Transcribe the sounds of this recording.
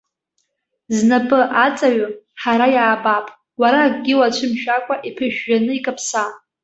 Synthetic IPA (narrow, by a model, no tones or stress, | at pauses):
znapʼɨʔat͡sʼaɥaħaɾajaːbapʼ | waɾaːɡɡʲɪwat͡ɕʷʰɨmʃᶣakʷʼaʔipʰɨʒᶣːanɨikʼapʰsa